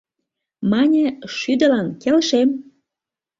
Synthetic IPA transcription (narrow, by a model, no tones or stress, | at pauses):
mɑnʲə̆ʃyd̪ə̆lɑnkelʃem